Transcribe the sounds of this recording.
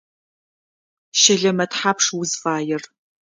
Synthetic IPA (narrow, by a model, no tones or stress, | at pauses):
ʃɪɮɐmɐtħaːpʰʂwʊzfaːjɪr